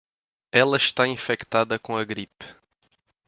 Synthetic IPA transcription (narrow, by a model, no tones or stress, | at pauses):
ɛlˠɐʃt̪aĩfekt̪ad̪ɐkõɐɡɾip